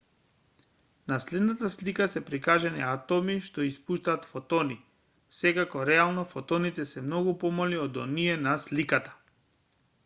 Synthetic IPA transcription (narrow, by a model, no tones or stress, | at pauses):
naslɛd̪nat̪aslikasɛpɾikaʒɛniat̪ɔmiʃt̪ɔispuʃt̪aːt̪fot̪ɔni | sɛkakɔɾɛalˠnɔfɔt̪ɔnit̪ɛsɛmnɔɡupɔmɔliɔd̪ɔ̰niɛnaslikat̪ḁ